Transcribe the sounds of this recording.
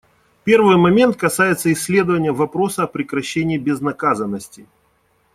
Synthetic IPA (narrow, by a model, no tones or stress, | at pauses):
pʲe̞rvɨjmɐmʲe̞nt̪̚kɐsajɪt̪səɪsʲːlʲe̞d̪əvənʲɪjəvɐpɾo̞səɐpɾʲɪkɾɐɕːenʲɪːbʲɪznɐkazənːəsʲtʲɪ